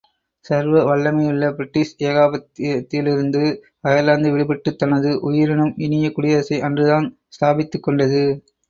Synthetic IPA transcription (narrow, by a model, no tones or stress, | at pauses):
sɐɾʋɐʋɐɭːɐmɐɪɪɭːɐbɾɪʈːiːseːɣaːbɐt̪t̪ːɪlɪɾɯnd̪ɯ | ɐjɐlaːnd̪ɯʋɛɭɪbɛʈːɯt̪ːɐnɐðɯʔʊjɪɾɪnɯmɪnɪjɐkʊɽɪjɐɐsɐɪʔɐndrɯðaːn | st̪aːbɪt̪ːɯkːɔɳɖɐðɯ